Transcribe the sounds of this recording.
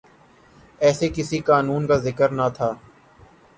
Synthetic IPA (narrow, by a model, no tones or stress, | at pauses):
ɛːsekɪsikaːnuːnkaːzɪkəɾnat̪ʰaː